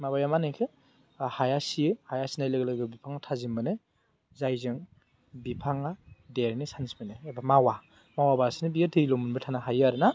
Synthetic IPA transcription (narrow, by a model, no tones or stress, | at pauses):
mabajamanɯjkʰɯ | hajasihajasinajlɯɡlɯɡɯbipʰaŋatʰazimbɯnɯ | zajzɯŋ | bipʰaŋadeɾnisansi̥bɯnɯebamawa | mawabasinibiatʰɯilomunbɯtʰanaɦajaɾɯna